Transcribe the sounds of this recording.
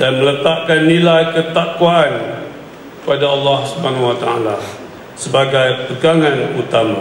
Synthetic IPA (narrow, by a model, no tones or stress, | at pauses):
danmələt̪aʔkanːilajkət̪akwaːn | kkəpadaɑlːɑhsubanawat̪aa̰la | səbaɡajkət̪əɡaŋanut̪ama